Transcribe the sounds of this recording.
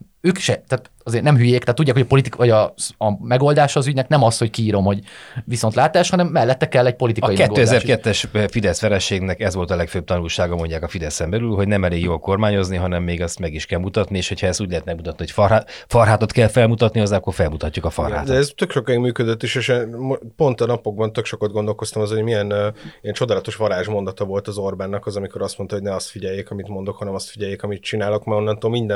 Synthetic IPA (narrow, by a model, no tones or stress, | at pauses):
øːkiʃɛt̪aːt̪ | ɒzeːrnɛmɦyjeːkt̪aːt̪ːuɟːakhoɒpo̞lit̪ikʋɒɟɒɒmɛɡo̞ld̪aːʃɒːzyɟnɛknɛmɒst̪ho̞ckiːɾo̞mho̞ɟʋiso̞nt̪laːt̪aːʃhɒnɛmːɛlːɛt̪ːɛkɛlːɛc̚po̞lit̪ikɒikɛtɡoːøːɛdzɛrkɛt̪ːɛʃfid̪ɛsfɛɾɛʃeːɡnɛkɛzʋo̞lt̪ɒlɛkføːb̚t̪ɒnulʃaːɡɒmo̞ɲɟaːkɒfid̪ɛsɛmbɛlylɦo̞ɟnɛmɛleːɡjoːlko̞rmaːɲo̞zniɦɒnɛmːeːɡɛst̪mɛɡiʃkɛlmut̪ɒt̪nieːʃho̞chɒɛst̪uːɟlɛɦɛt̪mɛɡmut̪ɒt̪niho̞cffɒrɦaːt̪ot̪kɛlfɛlmut̪ɒt̪niɒzːɛɒkːo̞rfɛlmut̪ɒcːukɒfɒ̰rha̰ːtd̪ɛɛzt̪økʃo̞kiɡmyːkød̪øt̪ːiʃeːʃɛmopo̞nt̪ɒnɒpoɡ̚bɒnt̪ø̞kʃo̞kɒd̪̚ɡo̞nd̪o̞lko̞st̪ɒmɒzhoɟmiɛniɛnt͡ʃo̞d̪aːlɒt̪o̞ʃʋɒɾaːʒmo̞nd̪ɒt̪ɒvo̞lt̪ɒzo̞rbaːnːɒkɒzɒmiko̞ɾɒst̪mo̞nt̪ɒoɟnɛɒst̪fiɟɛjeːkɒmit̪mo̞nd̪o̞khɒnɛmɒst̪fiɟɛjːeːkɒmit̪̚t͡ʃinaːlo̞kmɛonːɒnt̪oːmind̪ɛ